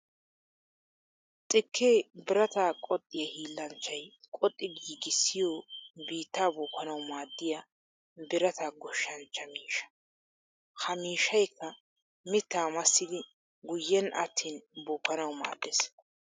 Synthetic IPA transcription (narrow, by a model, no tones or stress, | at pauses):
t͡sʼɪkʰːeːbɪɾɐt̪aːkʼɔt̪ʼːɪjɐhiːlːɐnt͡ʃːɐjkʼɔt̪ʼːɪɡiːɡɪsːɪjoːbiːt̪ːaːbuːkːɐnɐwmaːd̪ːɪja | bɪɾɐt̪aːɡɔʃːɐnt͡ʃːɐmiːʃɐ̥ | hɐmiːʃɐjkʰːɐ | mɪt̪ːaːmɐsːɪd̪ɪ | ɡʊjːɛnʔɐ̰t̪ʰːiːnbuːkːɐnɐwma̰ːd̪ːes